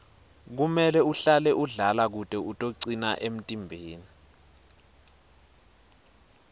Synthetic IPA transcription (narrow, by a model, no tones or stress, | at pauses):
k̬umɛlɛuɬalɛʔuɮalak̬utʼɛutʼoǀina̰ʔem̩tʼimbʱeːni